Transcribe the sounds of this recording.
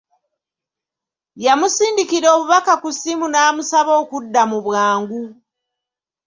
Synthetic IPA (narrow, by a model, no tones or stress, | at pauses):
jamusiːndikiɾo̞ːβuβakakusimunaːmusaβo̞ːkudːamuβwaːŋɡu